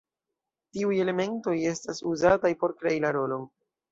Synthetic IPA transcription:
tiuje̞le̞me̞nto̞je̞stasuzatajpo̞ɾkɾeilaɾo̞lo̞n

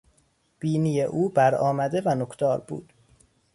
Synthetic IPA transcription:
b̥iːnije̞ʔuːbæɾɒːmæd̪e̞vænokʰt̪ʰɒːɾbṵːd̪̥

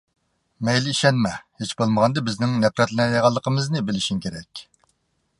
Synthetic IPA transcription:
mɛjlɪiʃɛnmɛhet͡ʃbolˠməʁɑnd̪ɨbɪznɪŋnɛpɾɛt̪lnɛjeʁɑlˠːəqʰəmɨznɨbɪlɪʃimkʲʰeɾɛkʲ

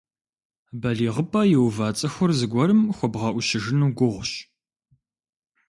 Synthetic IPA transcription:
bɐɮiːʁəpʼɐjɪwvaːt͡sʼɐxʷʊrzɨɡʷɔɾɨmxʷɔbʁɐʔʷʊʃɪʒɨnuːɡʷʊʁʷɕ

